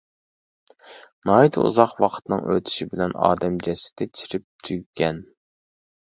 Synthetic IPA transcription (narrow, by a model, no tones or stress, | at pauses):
nɑːidt̪ṵzɑqwɑqʰə̥t̪nɨ̰ŋʔø̰t̪ʰy̥ʃibɪlɛnɑ̰ːd̪ɛmd͡ʒɛsɪ̥t̪ʰɛt͡ʃʰiɾɪp̚t̪ʰyɡʲɛn